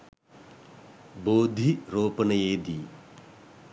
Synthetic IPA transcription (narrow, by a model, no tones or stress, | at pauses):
boːd̪ʱiɾoːpənəjeːd̪iː